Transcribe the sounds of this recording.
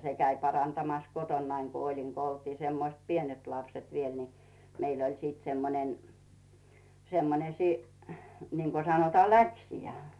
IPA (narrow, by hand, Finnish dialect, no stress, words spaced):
se kæi pɑrɑntɑmɑs kotonːɑiŋ ku olin ku oltiː semːoĭst pienet lɑpset ʋiːel ni meil ol siːt semːonen semːone siːniŋko sɑnotɑː læksijæ